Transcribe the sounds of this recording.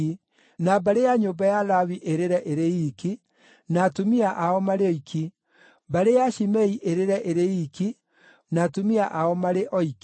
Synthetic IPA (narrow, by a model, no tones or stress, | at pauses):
i | nabaɾejaɲobajalawiʔeɾeɾɛʔeɾejiki | natumiaʔaɔmaɾeɔikʰi | baɾejaʃimɛiʔeɾeɾɛʔeɾeiki | natumiaʔaɔmaɾeʔɔiki